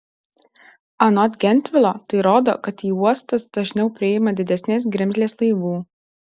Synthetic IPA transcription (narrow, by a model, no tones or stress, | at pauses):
ɐnɔt̪ɡʲɛnʲt̪ʲʋʲɪlˠoːt̪ɐɪɾoːd̪o̰ːkɐt̪iːuɔst̪ɐsd̪̥ɐʒʲnʲɛʊpʲɾʲɪɪmɐd̪ʲɪd̪ʲɛsʲnʲeːs̬ɡʲɾʲɪmʲzʲlʲeːslˠɐɪʋuː